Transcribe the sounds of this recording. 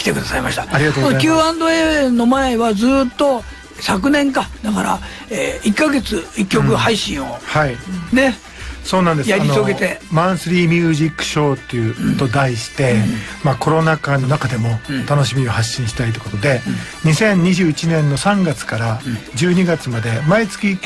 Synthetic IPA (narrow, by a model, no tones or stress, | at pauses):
kʲi̥t̪e̞kɯ̟d̪asaima̰ɕit̪ḁaɾʲiɡat̪oonoekʲɨːãnd̪oeno̞maeβad͡zɨːt̪ːo̞ | sak̬ɯ̟nẽ̞ŋkad̪akaɾa̰ | eːikːaɡe̞t͡sɨikʲːo̞kɯ̟haiɕĩo̞haine̞ | so̞ːnãnd̪ejaɾainosoɡe̞t̪e̞mãɰ̃sɨɾʲiːmʲjɯːʑikːɯ̥ɕo̞ːt̪ːeɯ̟t̪o̞d̪aiɕi̥t̪e̞mako̞ɾo̞nakanːo̞nakad̪e̞mo̞t̪ano̞ɕimʲiohaɕːĩɕi̥t̪ait̪̬oe̥kot̪o̞d̪e̞ | ɲ̟isẽ̞ɲ̟ːiʑɨːit͡ɕinẽ̞nːo̞sãŋɡat͡sɨ̥kaɾad͡ʑɨːɲ̟iɡat͡sɨmad̪e̞mait͡sɨ̥kʲi